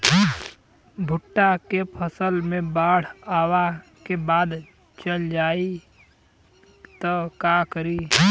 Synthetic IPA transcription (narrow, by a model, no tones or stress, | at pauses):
bʱʊʈːakepʰəsəlmẽbaːɽ̤aːwa | kebaːd̪ | t͡ʃəld͡ʒaːi | t̪əkakəɾiː